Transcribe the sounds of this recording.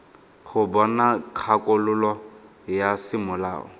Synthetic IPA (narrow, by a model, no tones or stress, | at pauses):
χʊbɔnakʰakʼʊlʊlɔ | jasɪmʊla̰ːɔ̰